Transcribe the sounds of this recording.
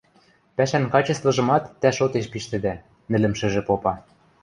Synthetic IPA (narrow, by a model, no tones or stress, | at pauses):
pæʃænkɑt͡ɕɤ̆st̪vɤ̆ʒɤ̆mɑt̪ːæʃot̪eʃpiʃt̪ɘ̆d̪æ | mɘ̆lɘ̆mʃɘ̆ʒĕpopɑ